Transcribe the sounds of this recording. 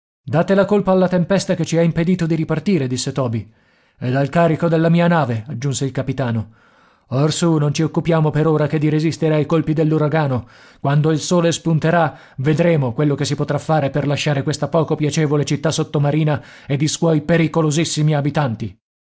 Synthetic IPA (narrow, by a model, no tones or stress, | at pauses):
d̪aːt̪elakolpaːlːat̪empɛst̪aket͡ʃiaimped̪iːt̪od̪iɾipart̪iːɾed̪isːet̪ɔːbi | ɛd̪alkaːɾikod̪elːamiːanaːvead͡ʒːunseilkapit̪aːno | orsunont͡ʃiokːupjaːmopeɾoːɾaked̪ːiɾezist̪eɾeajkolpid̪elːuɾaɡaːno | kwand̪oilsoːlespunt̪eɾa | ved̪ɾeːmokwelːokesːipot̪ɾafːaːɾeperlaʃːaːɾekwest̪apɔːkopjat͡ʃɛːvolet͡ʃit̪ːasːot̪ːomaɾiːnaed̪ːiswɔjpeɾikolozisːimiabit̪ant̪i